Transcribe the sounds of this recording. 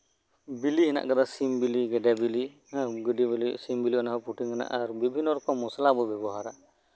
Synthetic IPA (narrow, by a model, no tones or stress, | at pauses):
bilihina̰ʔɡad̪asimbiliɡɛdabili | ɡudiblisimbiliɔnaɦɔpʰuʈiŋkʰana̰ʔaɾbibʱinːɔɾɔkʰɔmːɔsalabɔbɛbɔɦaɾa̰